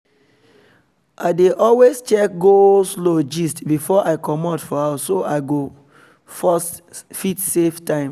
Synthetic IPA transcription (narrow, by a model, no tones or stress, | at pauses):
adeʔɔlwest͡ʃɛk̚ɡoslod͡ʒistbifɔʔaɪkɔmɔdfɔasoʔaɪɡo | fɔst | fitseftãɪ̃m